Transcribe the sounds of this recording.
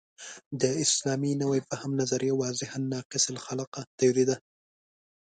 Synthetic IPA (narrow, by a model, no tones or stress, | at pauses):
d̪əɪslɑminawajpəhamnazaɾijawɑzɪhanːɑqɪslxalqat̪ajɑɾid̪a